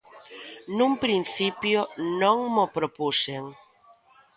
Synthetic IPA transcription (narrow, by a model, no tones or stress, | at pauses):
nũmpɾin̟θipjonõŋmopɾopuseŋ